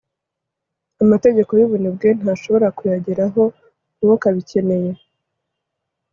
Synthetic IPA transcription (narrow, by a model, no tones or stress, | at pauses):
amate̞ɟe̞ko̞juβunibɡen̥haːʃo̞βo̞ɾakujaɟeɾaɦo̞ | nuwokaβice̞ne̞je̞